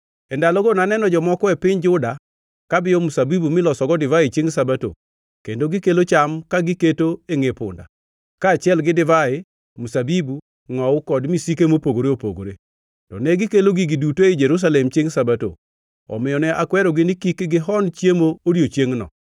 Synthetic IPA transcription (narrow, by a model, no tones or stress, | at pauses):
ɛndalɔɡonanɛnɔd͡ʒɔmɔkɔɛpɪɲd͡ʒʊda | kabɪjɔmusabibumɪlɔsɔɡɔdɪvaɪt͡ʃeŋsabato̰ | kendoɡɪkelot͡ʃamkaɡɪketoeŋepʊ̰nda̰ | kaːt͡ʃɪɛlɡɪdɪvaɪ | musabibu | ŋɔʊkɔdmisikemopoɡoɾeopo̰ɡo̰ɾe | tɔ̰nɛɡɪkeloɡiɡidutoid͡ʒeɾus̬alɛmt͡ʃeŋsabato̰ | ɔ̰mɪjɔnɛʔakwɛɾɔɡɪnɪkikɡɪɦɔnt͡ʃjemooɾjot͡ʃjeŋnɔ̰